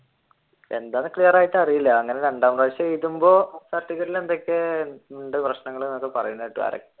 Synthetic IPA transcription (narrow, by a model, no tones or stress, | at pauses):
e̞̰nd̪aːnːɨkɭijɐraːjitːɐrijilːɐːŋːɐneɾeɳɖaːmraːʋɕːɐejit̪ːumbo̞ːsɐtːiɣɐɾile̞nd̪o̞kʲːeuɳɖeprɐɕnɐŋːɐɭunmɐkːɨpɐrɐ̰junːɐjiʈːuʋa̰ːɾɐ̰kː